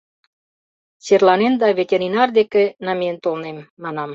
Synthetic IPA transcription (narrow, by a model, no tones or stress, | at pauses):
serlɑnend̪ɑvʲet̪ʲeɾinɑrd̪ekenɑment̪olnemːɑnɑm